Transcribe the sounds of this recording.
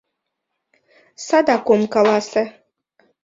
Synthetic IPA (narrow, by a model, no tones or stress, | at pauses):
sad̪akumkalˠasɛ